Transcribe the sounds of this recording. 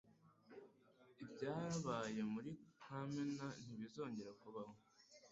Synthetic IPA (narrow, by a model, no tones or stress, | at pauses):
ibɟaːɾaβaːje̞muɾikʰamenan̥iβizo̞ːɲɟe̞ɾakuβaho